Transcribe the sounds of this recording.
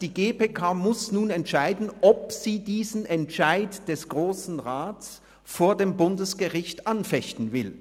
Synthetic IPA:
d̥iːɡeːpeːkʰaːmʊsnuːnɛntʃaɪdn̩ʔɔp̚z̥iːdiːzn̩ɛntʃaɪtd̥ɛsɡ̥ʁoːsn̩ʁaːtt͡s | foːɐdeːmbʊndəsɡ̥əʁɪçtʔanfɛçtn̩vɪl

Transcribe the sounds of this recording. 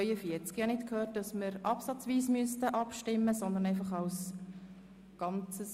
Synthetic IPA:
ʏəfiəɾt͡skijɑnɪtkʰhøːt̚dɑsməɾʔɑpsɑt͡sʋiːsmyəstəʔɑpʃtɪmːəsɔnd̪ənɛɪfɑχɑls | ɡ̥ɑnt͡səs

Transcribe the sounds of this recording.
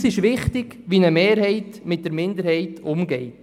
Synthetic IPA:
sɪʃʋɪχtɪɡ̥ | ʋinəmeːɾhɛɪtmɪt̚d̥əɾmɪnd̪əɾhɛɪtʰʊmɡɛɪt

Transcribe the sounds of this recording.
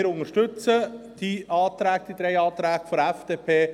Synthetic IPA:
ɾʊnəʃtʏt͡səd̥iʔɑːt̪ɾæːk̚d̪̥id̪ɾɛjɑːt̪ɾæːɡfɔɾɛfd̥eːpʰeː

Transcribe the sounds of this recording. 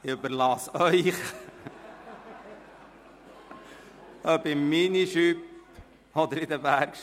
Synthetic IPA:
ɪʉbəɾlɑːsœʏχ | œbɪminiʃyp | ɔd̪əɾɪd̪əbæɾkʃ

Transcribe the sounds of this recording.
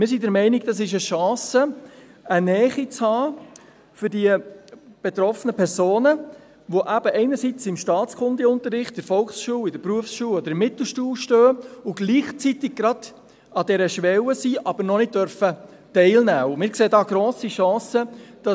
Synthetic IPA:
mɪːsidɛɾmɛɪnɪɡ̚d̥̪ɑs̬ɪʃəʃɑ̃ːsəənɛːχit͡shɑː | fʏɾdiəb̥et̪ɾɔfənəpʰɛɾsoːnə | ʋoʔæb̥əʔɛɪnəɾsit͡sɪmʃtɑːtt͡skʰʊndɛʊnt̪əɾɪχtəɾfɔlksʃuːwɪdəɾpɾuəfsʃuːlɔd̥̪əɾmɪt̪l̩ˠʃtuːlʃtøːʊɡ̥liːχt͡sit̪ɪɡ̚ɡɾɑd̥ | ɑd̥ɛɾəʃʋɛwəsiːʔɑb̥əɾnɔnɪt̚d̥œɾfə | tɛɪlnæːʊmɪːɾkseːdɑːɡ̥ɾoːsiʃɑ̃ːsəd̥ɑ

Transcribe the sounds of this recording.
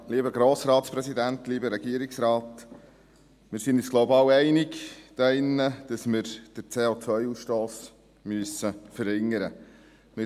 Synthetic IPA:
liːbəɡɾoːsɾɑːtspɾɛsid̪ænt̪liːbəɾɛɡiəɾɪksɾɑːt̪ | mɪɾsinɪsɡ̥lobɑːwɛɪnɪkd̥ɑɪnːəd̥ɑsmɪɾd̥əɾt͡seːot͡sʋœʏuːsʃtoːs | myəsəfəɾhɪŋːəɾə | mɪ

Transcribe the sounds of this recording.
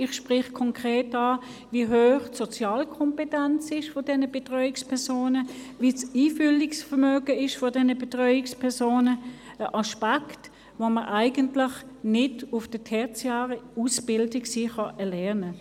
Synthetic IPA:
ɪχʃpʁɪχkʰɔŋkʁeːtɑː | viːɦøːχtsɔt͡sjɑːlkʰɔmpɛtɛnt͡sɪʃfɔdɛnəb̥etʁœʏɪkspʰɛɐsoːnəviːsiːfʏlɪksfɛɐmøːɡəɪʃfɔdɛnəbetʁœʏɪkspʰɛɐsoːnə | əʔɑʃpakt | voməʔaɪɡəntlɪχnɪdʊfd̥ətʰɛɐt͡sjaːʁəusb̥ɪldɪksiːχɑʔɛɐlɛɐnə

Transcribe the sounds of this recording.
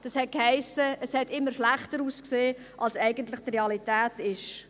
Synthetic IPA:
d̥ɑshɛt̚khæɪsəəshɛtɪmːəɾʃlæχtəɾuːskseː | ʔɑlsɛɪɡənt̪lɪχt̪reɑlitæːtɪʃ

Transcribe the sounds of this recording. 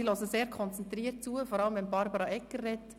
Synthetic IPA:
ilosəseːɾkʰɔnt͡sɛnt̪ɾiːəɾt̚t͡suəfɔɾɑləmʋɛnbɑɾbəɾɑʔɛkːərːɛtː

